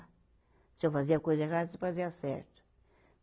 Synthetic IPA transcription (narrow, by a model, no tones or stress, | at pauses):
sewfɐziɐkojzɐeʁasefɐziɐsɛ̰ɾt̪u̥